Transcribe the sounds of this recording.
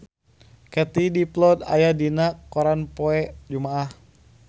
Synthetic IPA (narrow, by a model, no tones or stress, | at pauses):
kɛt̪idiplɔd̪a̰jadinakːɔɾanpɔɛʔd͡ʒumaʔah